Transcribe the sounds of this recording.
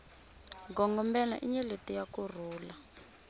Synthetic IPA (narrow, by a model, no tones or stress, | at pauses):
ɡɔŋɡɔmbɛna̰ʔiɲɛletijakur̤uːla